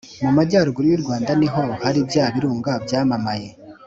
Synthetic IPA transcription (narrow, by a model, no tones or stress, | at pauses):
mumaɟaːɾuɡuɾujuɾɡwaːndaniɦo̞haɾibjaːβiɾuːŋɡabjaːmamaje